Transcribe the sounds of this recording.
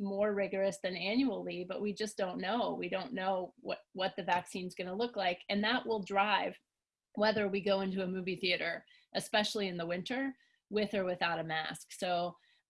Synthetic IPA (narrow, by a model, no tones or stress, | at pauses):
mɔɹɹɪɡə˞ɨsðɨ̃næ̃njul̩ˠibʌʔ̚wid͡ʒʌsd̥õʊ̃nːoʊwidõʊ̃nːoʊwʌt̚wʌt̪̚ðɨvæksĩnzɡʌnəlʊklaɪkɨ̃nðəʔwɪlˠdɹaɪv̥ | wɛðə˞wiɡoʊɪ̃ntʉəmʉviθiɨɾə˞ | ʔɨspɛʃl̩ˠiɨ̃nðəwɪ̃ntʰə˞ | wɪðə˞wɨθaʊɾɨmæ̰sksoʊ